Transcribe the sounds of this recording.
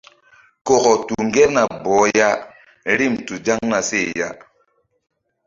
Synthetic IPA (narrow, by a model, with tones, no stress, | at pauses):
ko˨ko˨tu˨ŋɡe˦ɾna˨bɔ˨˦ja˦ | ɾi˦mtu˨d͡ʒa˦ŋna˨se˦˨ja˦